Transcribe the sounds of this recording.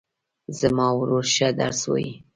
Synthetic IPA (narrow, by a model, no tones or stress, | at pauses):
zamɑwɾoɾʃad̪a̰ɾswo̰ji